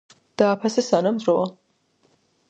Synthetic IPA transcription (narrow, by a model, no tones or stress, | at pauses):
d̪̥aːpʰasɛsanamzɾɔa